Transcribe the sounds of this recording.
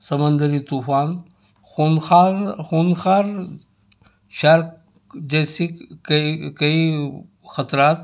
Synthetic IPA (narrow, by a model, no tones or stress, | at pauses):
sɐmə̃nd̪əɾit̪uːfaːn | xunxaːxuːnxaːɾ | ʃɐɾk | d͡ʒɛːsikkɐi | xɐt̪ɾaːt̪